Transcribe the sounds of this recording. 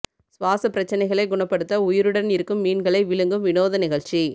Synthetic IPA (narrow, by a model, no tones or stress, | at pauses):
sʋaːsɐpːɪɾɐt͡ʃːɐnɐɪɣɐɭɐɪɡʊɳɐpːɐɽɯt̪ːɐʊjɪɾɯɽɐnɪɾɯkːɯmːiːnɡɐɭɐɪʋɪɭɯŋɡɯmʋɪnoːðɐnɪɣɐɻt͡ʃi